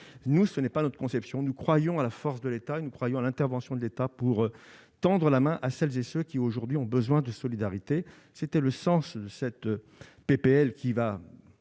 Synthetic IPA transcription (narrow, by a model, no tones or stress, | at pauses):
nusənɛpanɔt̪χəkɔ̃sɛpsjɔ̃nukχwajɔ̃alafɔʁsd̪əlet̪aenukχwajɔ̃alɛ̃t̪ɛʁvɑ̃sjɔ̃d̪əlet̪apuʁ | t̪ɑ̃d̪ʁəlamɛ̃ʔasɛlzesøkʲioʒuʁd̪ɥiɔ̃bəzwɛ̃d̪əsɔlid̪aʁit̪e | set̪ɛləsɑ̃sd̪əsɛt̪ | pepeɛlkʲiva